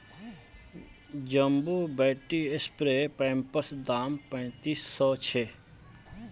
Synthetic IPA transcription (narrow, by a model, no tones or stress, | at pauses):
d͡ʒəmbuːbeːʈiespɾeːpɛ̃ːmpəsd̪aːmpə̃ːt̪iːsːɔːt͡ʃʰe